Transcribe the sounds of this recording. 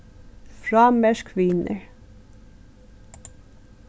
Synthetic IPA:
fɹɑːmɛʃkʰʋiːnə̰ɹ

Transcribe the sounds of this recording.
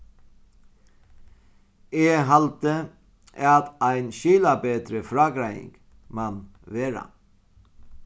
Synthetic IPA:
eːɦɑlt̪ə | ɑt̪æɪnɕyːlabeːd̪ɾəfɾɑːɡɾæjɪ̰ŋɡ̥ | mɑn | ʋeːɾa̰

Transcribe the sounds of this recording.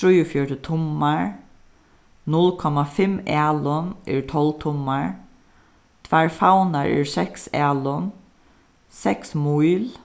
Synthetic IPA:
ɹujɔfjɔɹʈət̪ʰʊmːaɹ | nʊlkʰɔmafɪmaːlʊnɛɹt̪ʰɔlt̪ʰʊmːaɹ | t̪ʰvaɹfawnaɹɛ̰ɹsɛksaːlʊn | sɛksmujl

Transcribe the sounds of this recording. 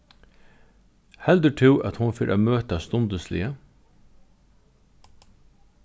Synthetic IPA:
hɛld̪ʉʈʰɪːʔɑ̰t̪hʊnfeːɾʔo̰ːmøːt̪ɑst̪ʊnd̪əslɪ̰ə

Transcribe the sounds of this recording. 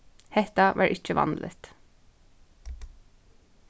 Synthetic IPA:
hɛt̪ɑʋʔæ̰ːɹʔɪt͡ʃəʋɑ̰nd̪lʔə̰t̪

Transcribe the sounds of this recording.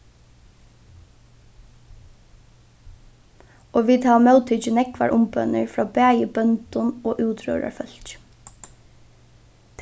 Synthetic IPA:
oːʋiːd̪hɑːmœʉt̪ʰʏt͡ʃənɛkʋa̰ɹʔʊmbœnəɹfɹɑːbæːjəbœnt̪ʊnoːʔʉːt̪ʰɹø̰ːɹa̰ɹfœlt͡ʃ | t̪ʰ

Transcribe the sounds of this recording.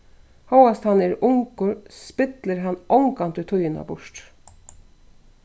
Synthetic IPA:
hawast̪hɑnɛɾʊŋkʊɾspɪt̪ləɾɦɑnːʔɔŋkant̪ʉt̪ʰʊjɪna̰bʊʂt

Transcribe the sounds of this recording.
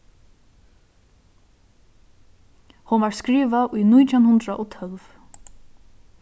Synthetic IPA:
hʊnvaɹskɾiːʋaʔujnujt̪ʰanhʊnd̪ɾaʔɔt̪ʰœlv

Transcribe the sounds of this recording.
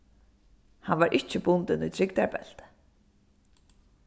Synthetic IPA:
hanvaɾʔɪht͡ʃɪbʊnt̪ɪnṵjt̪ʰɾɪkt̪aɹbɛ̰l̥t̪

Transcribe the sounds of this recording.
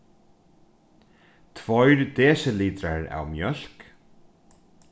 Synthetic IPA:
t̪ʰvɔjɹd̪eːsəliːd̪ɾaɹa̰wmjœɬk

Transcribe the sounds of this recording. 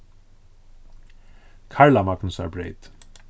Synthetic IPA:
kʰaɹlamaknəsæ̰ɹbɾḛɪt̪

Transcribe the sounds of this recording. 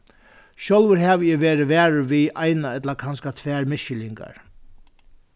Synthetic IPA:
ʃɔlʋəɾɦɛʋɪːʋeːɾɪʋæːɹɪʋiːʔajnaɛt̪lakʰanskat̪ʰʋæːɹmɪʃɪliŋka̰ɹ

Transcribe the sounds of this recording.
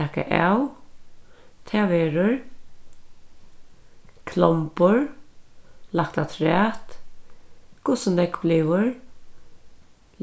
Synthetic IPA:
ɛka̰ʔa̰w | t̪ʰɛːʋɛːɹʊɹ | kʰlɔmpʊɹ | lakt̪at̪ʰɾɛːt̪ | kʰʊsənd̪ɛkbliʋʊɹ

